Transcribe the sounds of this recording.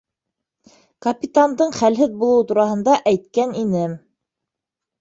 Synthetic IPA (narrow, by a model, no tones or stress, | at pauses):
kɐpʲit̪and̪ɤɴχælɦɘðbulˠɤwt̪uɾɑhɤ̆nd̪ɑʔæjt̪kæninɘm